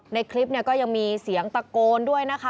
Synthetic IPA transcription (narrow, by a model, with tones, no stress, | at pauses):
na˧jkʰli˦˥p̚ni˥˩ɐkɔː˥˩ja˧ŋmiː˧si˩˦əŋt̪a˧koː˧ndu˥˩əjna˦˥kʰa˦˥